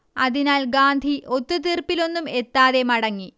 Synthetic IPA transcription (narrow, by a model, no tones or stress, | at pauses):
ɐðinaːlɡaːnd̪ʱiʔo̞t̪ːut̪irpːilo̞nːume̞t̪ːaːðe̞mɐɽɐŋːi